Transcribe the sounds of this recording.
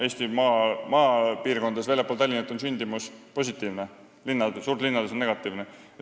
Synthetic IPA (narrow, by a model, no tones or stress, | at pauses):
e̞ːsʲt̪imɑmɑːpiːrko̞nd̪esvejljepːˑolt̪ælʲːinet̪ːˑonsynʲd̪̥imuspo̞s̬ʲit̪ːˑiːvne | linːɑd̪suːrt̪linːɑd̪esonːe̞ɡ̥ɑt̪ːˑiːvne